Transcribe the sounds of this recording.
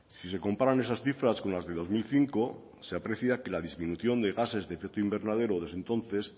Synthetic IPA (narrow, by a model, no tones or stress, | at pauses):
sis̬e̞ko̞mpaɾane̞sasθifɾasko̞nlazðe̞ðo̞zmilθiŋko | seapɾe̞θjake̞lað̞izmĩnuθjo̞nd̪e̞ɣase̞zðefek̚t̪oimbe̞ɾnaðe̞ɾoðe̞zðent̪o̞nθe̞s